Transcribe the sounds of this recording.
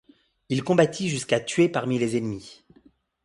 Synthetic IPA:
ilkɔ̃bat̪ʰiʒyskat̪ɥepaʁmilezenmi

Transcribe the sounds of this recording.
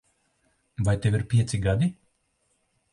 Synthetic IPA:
vajt̪eviɾpʲiɛt̪siɡad̪i

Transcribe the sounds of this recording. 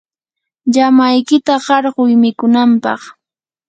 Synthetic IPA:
ʎamajkɪt̪aɢɑɾɢʊjmɪkʊnampɑ̰χ

